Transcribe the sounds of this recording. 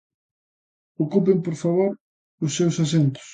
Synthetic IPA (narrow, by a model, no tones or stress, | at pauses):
okupɪmpoɾfaβoɾ | ʊsːewsas̬ent̪ʊ̥s